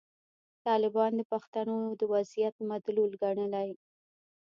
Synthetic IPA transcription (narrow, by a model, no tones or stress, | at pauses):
t̪ɑlɪbɑnd̪əpaxt̪anod̪əwazijat̪mad̪lulɡaɳəlaj